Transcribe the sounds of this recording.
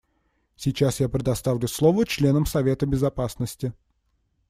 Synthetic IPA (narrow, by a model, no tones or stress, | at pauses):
sʲɪt͡ɕasjapɾʲɪd̪ɐst̪avlʲʊslˠovət͡ɕlʲenəmsɐvʲe̞t̪əbʲɪzɐpasnəsʲtʲɪ